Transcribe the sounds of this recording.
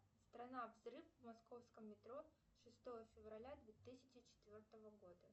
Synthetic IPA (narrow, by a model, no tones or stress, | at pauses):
st̪ɾɐnavzɾɨfvmɐsko̞fskəmːʲɪt̪ɾo | ʂɨst̪o̞vəfʲɪvrɐlʲad̪vʲet̪ɨsʲɪt͡ɕɪt͡ɕɪ̥t̪vʲo̞rt̪əvəɡo̞d̪ə